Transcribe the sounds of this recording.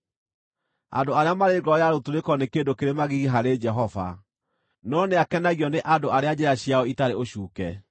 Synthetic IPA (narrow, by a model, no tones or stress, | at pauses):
a̰ndoaɾeamaɾeɡɔjaɾotuɾekɔnekeːndokeɾemaɣiɣiɦaɾed͡ʒɛɦɔva̰ | nɔneakɛnaɣiɔneʔadoaɾead͡ʑeɾaɕjaɔitaɾeoɕuːkɛ